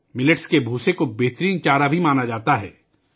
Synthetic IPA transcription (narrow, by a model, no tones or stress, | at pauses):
mɪləʈskebʱuːsekobeɦt̪ɾiːnt͡ʃaːɾabʱimaːnad͡ʒaːt̪aɦɛ̰ː